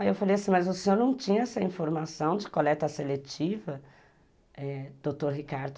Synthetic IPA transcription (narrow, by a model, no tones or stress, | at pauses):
ewfalejasĩmɐzʊsẽoɾnɐ̃w̃t͡ʃĩɲɐɛsɐĩfoɾmasɐ̃w̃d͡ʒɪkolɛt̪ɐselet͡ʃivɐ | ɛd̪̥ot̪oɾɦikaɾd̪ʊ